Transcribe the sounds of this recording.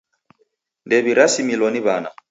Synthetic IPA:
ndɛβiɾasimilwɔniβana

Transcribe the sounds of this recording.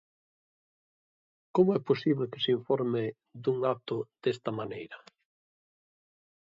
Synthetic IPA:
komʊɛposiβlekɪ̥siɱfɔɾmɪ | d̪uŋat̪ʊd̪̥est̪ɐmanejɾɐ

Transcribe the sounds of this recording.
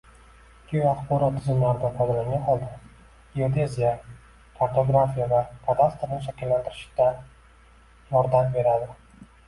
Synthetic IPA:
kʲʰejaχbɒɾɒt̪ʰːɪzɪmlaɾɪd̪aqʰɒd̪alaŋʲanɒlˠd̪ɪ | iod̪e̞zʲija | pʰaɾt̪oɡɾafijavapʰad̪ast̪ɾnɪʃakʲɪlːand̪ʰɪɾɪʃɪ̥d̪̥a | jɒɾd̪ambe̞ɾad̪ɪ

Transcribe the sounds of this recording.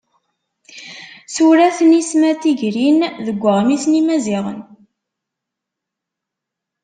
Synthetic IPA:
suɾæθnismæt̪iʝɾinðəɡʷːəʁmisnimæziʁə̰n

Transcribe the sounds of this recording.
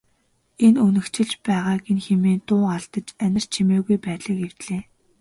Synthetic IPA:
enunɘ̆kt͡ɕʰɪ̆ɮt͡ɕpæːʁaːɡenxemeːnt̪ʊːaɮt̪ə̆t͡ɕænʲɪ̆r̥t͡ɕʰimeːɣujpæːt̪ɮə̆kew̥t̪ɮeː

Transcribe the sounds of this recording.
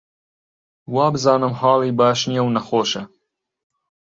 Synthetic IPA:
wɑːbɨzɑːnɨmhɑːlˠiːbɑːʃnijɛwnɐxoːʃɐ

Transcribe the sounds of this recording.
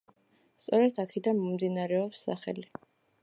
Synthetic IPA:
st̪sʼɔɾɛt̪ʰakʰɛd̪anmɔmd̪inaɾɛɔpsːa̰χɛ̰li

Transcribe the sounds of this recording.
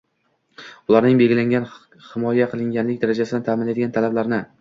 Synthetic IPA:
ʊlˠaɾnɪŋbe̞lɡʲɪlaŋʲan | hɪmɒjaqʰɨlˠɪŋɡʲanlɪkʲd̪aɾad͡ʒasɪd̪ɪnt̪ʰamɪnlad̪ɪɡʲant̪ʰalablaɾnɪ

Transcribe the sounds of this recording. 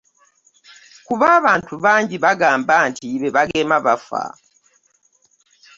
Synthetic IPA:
kuβaːβaːntuβaːɲɟiβaɡaːmbaːntiβeβaɡe̞ːmaβa̰fa̰

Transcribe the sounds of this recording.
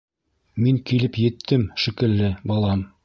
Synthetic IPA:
miŋkilɘpjɘ̆t̪ʰːɘmʃikɘ̆lːɘbɑlˠɑm

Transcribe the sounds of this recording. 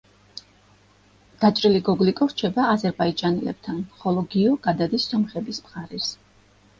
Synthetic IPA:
d̪̥at͡ʃʼɾiliɡɔɡlikʼɔɾt͡ʃʰɛbaːzɛɾbaid͡ʒʼanɛlɛ̰b̥̚t̪ʰanχɔlˠɔɡiɔɡ̥ad̪ad̪isːɔmχɛbismχaɾɛs

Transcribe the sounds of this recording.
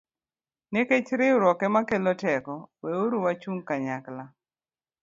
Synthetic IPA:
neket͡ʃɾɪʊɾɔkɛmakelɔtɛkɔweoɾuwat͡ʃuŋkaɲakla

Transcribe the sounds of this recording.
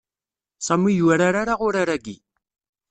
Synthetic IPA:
samijwaɾaɾaɾaʁʊɾaɾaɡi

